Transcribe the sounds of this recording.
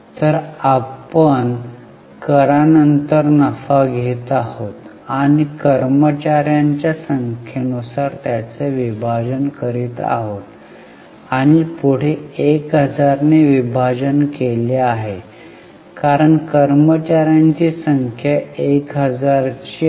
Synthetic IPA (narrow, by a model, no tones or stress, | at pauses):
t̪əɾapən | kəɾanənt̪əɾnəfaɡʱet̪ahot̪ | aɽ̃ikəɾmət͡ɕaɾjaɲt͡ɕjasəŋkʰjenusaɾt̪jat͡seʋibʱad͡ʑənkəɾiːt̪a̰ɦot̪ | aɽ̃ipuɽ̤eekɦəd͡zaɾneʋibʱad͡ʑənkeleaɦe | kaɾəɳkəɾmət͡ɕaɾjaɲt͡ɕiːsəŋkʰjaekɦəd͡zaɾt͡ɕi